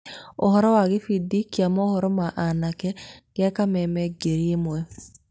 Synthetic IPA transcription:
ohɔɾɔwaɣefidikiamɔhɔɾɔmaʔanakɛɣeakamɛmɛɡeɾiemwɛ

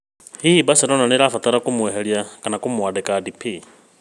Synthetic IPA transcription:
hihibasɛɾɔnaniɾafat̪aɾakumwɛɦeljakanakumwadɛkadipʰi

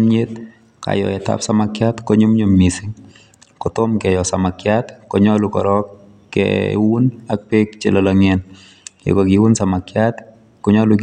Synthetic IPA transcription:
mɲet̪ | ka̰jɔ̰ɛta̰psamakjatkɔɲumɲumːisɪŋ | kɔtomkɛjɔsamakjat̪kɔɲɔlukɔ̰ɾɔkː | ɛ̰wunak̚pek̚t͡ʃelɔlɔŋɛn | ḛkɔkiwunsamakjat̪ | kɔɲɔluk

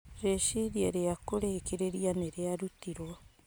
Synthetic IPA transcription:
ɾeʃiɾieɾeakoɾekeɾeɾianeɾeaɾutiɾɔ

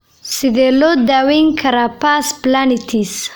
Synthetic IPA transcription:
sid̪elod̪awiŋkʰaɾapasplanit̪ʰis

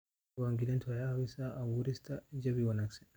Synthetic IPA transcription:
waŋɡilɛntajawisaawuɾistad͡ʒabiwanaksɛ

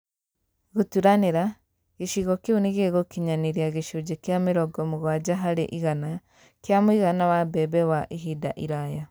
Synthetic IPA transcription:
ɣutuɾaneɾa | ɣiʃiɣɔkiuniɣeɣokiɲaniɾiaɣeʃud͡ʒekjamiɾɔɡɔmuɣwad͡ʒaɦaɾḛʔiɣana | kjamuiɣanawabɛbɛwaʔiɦidaʔiɾaja

